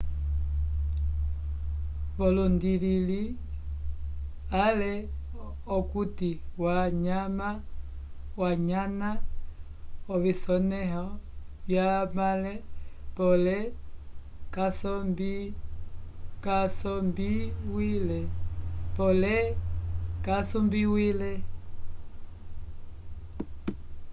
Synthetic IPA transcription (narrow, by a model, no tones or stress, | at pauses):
βɔlɔndilili | alɛ | ɔkutiwaɲama | waɲana | ɔβisɔnɛɦɔ | βjamalɛpɔlɛ | kasɔmbi | kasɔmbiwilɛpɔlɛ | kasɔmbiwilɛ